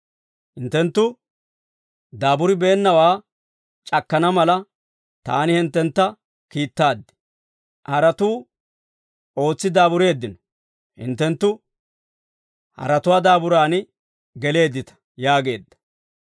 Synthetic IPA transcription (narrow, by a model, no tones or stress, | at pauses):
hɪnt̪ːɛnt̪ːʊ | d̪aːbʊɾɪbeːnːɐwaː | t͡ʃʼɐkːɐnɐmɐlɐ | t̪aːnɪhɪnt̪ːɛnt̪ːɐ | kiːt̪ːaːd̪ːɪ̥ | hɐɾɐt̪uː | o̞ːt͡sːɪd̪aːbʊɾe̞ːd̪ːɪnɔ̥ | hɪ̰nt̪ːɛnt̪ːʊ | hɐ̰ɾɐt̪ʊwaːd̪aːbʊɾaːn | ɡɛle̞ːd̪ːɪt̪ɐ̥ | jaːɡe̞ːd̪ːɐ̥